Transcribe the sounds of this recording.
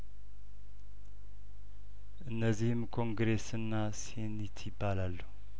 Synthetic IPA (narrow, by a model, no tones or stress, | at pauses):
ʔɨnːəzːihɨmkʰo̞ŋɡɾe̞sɨnːasihenɪt̪ʰjɪbːalalːuh